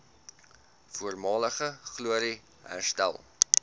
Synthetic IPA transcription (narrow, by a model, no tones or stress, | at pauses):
fuərmɑːləχəχluəɾi | ɦæ̰rstæ̰lˠ